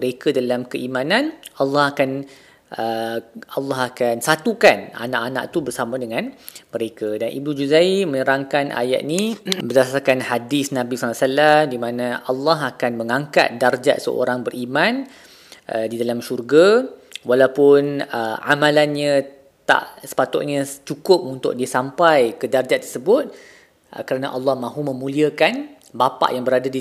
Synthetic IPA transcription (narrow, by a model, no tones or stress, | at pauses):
əɾekadalamkəʔimãnanalːɑhakan | ʔəalːɑɦakansat̪ukana̰nã̰ʔanã̰ʔt̪ubərsamãdəŋãnmə̃ɾekadanʔḭbnud͡ʒuzaiməɲəɾaŋkanʔa̰ja̰ʔ̪̚nibərdasarkanhadisnãbisalasalamdimãnãʔalːɑɦakanməŋãŋka̰t̪̚dard͡ʒa̰ʔsə̰o̰ɾaŋbərɾʔimãn | ʔdidalamʃurɡawalawpʊnəa̰mãlanɲã | t̪a̰ʔsə̥pat̪ʊ̰ʔ̪̚ɲãt͡ʃukʊp̚unt̪ʊ̰k̚diəsampajkədard͡ʒaʔt̪ːərsəbʊt̪̚ | kəɾanaʔalːɑhmãɦumə̃mũliəkan | bapa̰ʔjaŋbəɾadadi